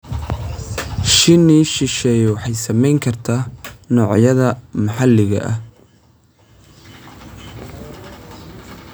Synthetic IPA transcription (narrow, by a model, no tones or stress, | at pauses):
ʃɪniʃɪʃɛːjwɑħɑjsɐmɛjŋkʰɐrt̪ʰaːnɔːʕjɐðɐmɐħɑlɪɣɐ̰ʔɐ̰h